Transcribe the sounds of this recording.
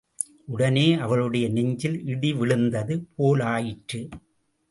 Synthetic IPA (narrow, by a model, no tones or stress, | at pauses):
ʔʊɽɐneːʔɐʋɐɭɯɽɐjɐnɪɲd͡ʒɪlɪɽiʋɪɭɯnd̪ɐðɯpʰoːlaːjɪʈrɯ